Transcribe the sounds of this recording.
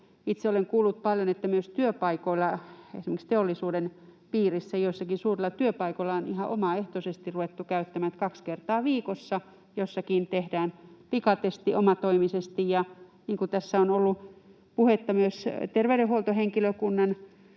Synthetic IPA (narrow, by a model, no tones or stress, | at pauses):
it̪seoleŋkuːlːut̪̚pɑljonet̪ːæmyøst̪yøpɑikoilːɑḛsimekst̪eolːˑisuːdenpiːrisːæjoisːɑkisuːrilːˑɑt̪yøpɑikoilːɑonihɑʔo̰mɑeht̪osest̪iruʋet̪ːukæyt̪ːæmæt̪kɑkskert̪ɑːʋiːkosːɑ | josːɑkiːnt̪ehdæːnpikɑt̪est̪iʔomɑt̪oimisest̪ijjɑniːŋkut̪æsːæonolːu | puhet̪ːɑmyøst̪erʋeyɾehuolt̪oheŋkiløkunːɑn